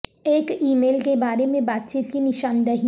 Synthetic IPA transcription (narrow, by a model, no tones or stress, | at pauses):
eːkiːmeːlkebaːɾemẽbaːt̪̚t͡ʃiːt̪kinɪʃaːnd̪ɐɦi